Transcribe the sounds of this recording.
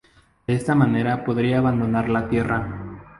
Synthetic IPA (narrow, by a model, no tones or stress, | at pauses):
d̥̪eest̪amane̞ɾapo̞ðɾiaːβand̪o̞naɾlat̪je̞ra